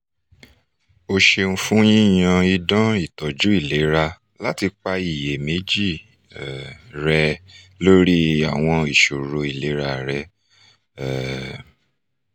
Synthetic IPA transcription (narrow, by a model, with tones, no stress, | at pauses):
o˧ʃe˧ñ̩˧fũ˦j̃ĩ˦˨j̃ã˧i˧dã˦i˦˨tɔ˨d͡ʒu˨˦i˦˨le˨˦ɾa˧ | la˦ti˧k͡pa˧i˨je˨me˨˦d͡ʒi˦˨ | ɾɛ˧ | lo˦ɾi˦a˦˨w̃ɔ̃˧i˨ʃo˨ɾo˧i˨le˨˦ɾa˧˨ɾɛ˧˦ | ɛ˨